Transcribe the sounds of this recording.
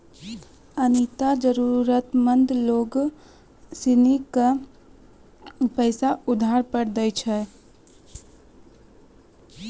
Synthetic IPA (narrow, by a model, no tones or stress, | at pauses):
ənit̪ad͡ʒəɾuɾət̪mə̃nd̪loːɡ | sɪnika | pəɪsaʊd̪ʱaːɾpəɽd̪əjt͡ʃʰɛ